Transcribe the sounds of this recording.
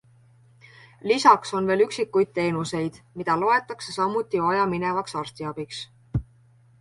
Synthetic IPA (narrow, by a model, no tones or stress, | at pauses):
lisɑkso̞nve̞ːlyksikːˑujd̪̥̚t̪e̞ːnuse̞jd̪̥mid̪̥ɑlo̞e̞t̪ːˑɑksesɑmut̪ːˑivɑjɑmine̞vɑksɑrst̪iɑb̥iks